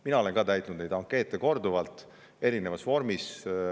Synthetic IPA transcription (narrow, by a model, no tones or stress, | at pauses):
minɑo̞leŋkɑːt̪æjt̪unud̪ned̪ɑŋkːˑe̞ːt̪ːˑeko̞rd̪uvɑlt̪ˑ | e̞ɾine̞vɑsvo̞ɾmis